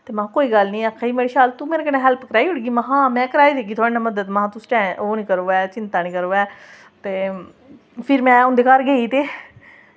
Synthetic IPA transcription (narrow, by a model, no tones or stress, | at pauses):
t̪eːmãːkoːiːɡəlnĩːkʰaːiːmeːɾiːʃaːlt̪ũːmeːɾeːkəɾɛ̃ːɦɛlpkəɾaːiɦʊɽɡiːmaɦãːmɛ̃ːkəɾaːiːd̪eːkiːt̪ʰaːɽeːnaːməd̪əd̪mãːt̪ʊsʈɛ̃ːoːnĩːkəɾoːɛːt͡ʃɪnt̪aːnĩːkəɾoːɛː | t̪eː | pʰɪɾmɛ̃ːʊ̃nd̪eːkaːɾɡeːiːt̪eː